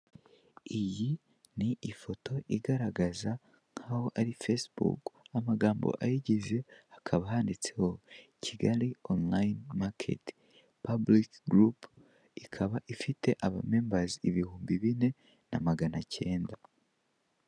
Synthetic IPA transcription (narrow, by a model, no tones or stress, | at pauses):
iji | niʔifo̞to̞ʔiɡaɾaɡaza | ŋ̥haho̞ʔaɾifesbṵkamaɡaːmbo̰ʔajiɟize̞akʰaβaɦaːndit͡se̞ho̞cʰiɡaɾionlainmakʰḛt | pablikɡɾup | ikʰaβaʔifitʰe̞ʔaβame̞ːmbaziiβihuːmbiβine̞ | na̰maɡanace̞ːnda